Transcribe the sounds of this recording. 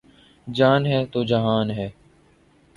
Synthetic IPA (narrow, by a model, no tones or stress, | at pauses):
d͡ʒaːnɦɛːt̪oːd͡ʒəɦaːnɦɛː